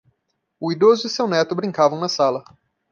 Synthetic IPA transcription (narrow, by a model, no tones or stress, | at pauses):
ʊid̪ozʊɪsewnɛt̪ʊbɾĩŋkavɐ̃w̃nɐsalɐ